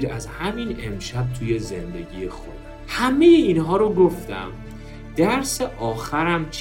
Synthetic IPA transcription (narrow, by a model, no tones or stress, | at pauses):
ɾæzhæminemʃæb̚t̪ʰuːje̞ze̞nd̪e̞ɟijexo̰d̪̥ | hæme̞jeinɦɒːɾoɡo̞ft̪æ̰m | d̪̥æɾseʔɒːxæɾæmt͡ʃʰ